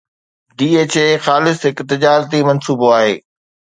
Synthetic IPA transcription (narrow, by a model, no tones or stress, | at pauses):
ɖiːeːt͡ɕeːxaːlɪsɦɪkt̪ɪd͡ʑaːɾt̪imɐnsuːboaːɦḛː